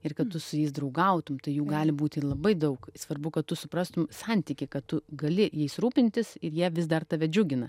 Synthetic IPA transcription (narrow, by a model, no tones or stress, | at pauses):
ɪrkɐt̪t̪ʊsʊjɛɪs̬d̪ɾɐʊɡɐʊt̪ʊmt̪ɐɪjuːɡɑːlʲɪbuːt̪ʲɪlˠɐbɐɪd̪ɐʊksʋɐrbʊkɐt̪t̪ːʊsʊpɾɑːst̪ʊmsɐnʲt̪ʲiːkʲɪkɐtt̪ʊɡɐlʲɪjɛɪsɾuːpʲɪnʲt̪ʲɪsɪɾjiɛʋʲɪsd̪ɐrt̪ɐʋʲɛd͡ʒʲʊɡʲɪnɐ